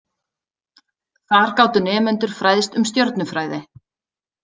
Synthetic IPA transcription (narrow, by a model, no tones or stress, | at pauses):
θaɾ̥kaːwt̪ʏnɛːmɛnt̪ʏɾ̥fɾajðɪst̪ʏmst̪jɔɾt̪nʏfɾaːjðɪ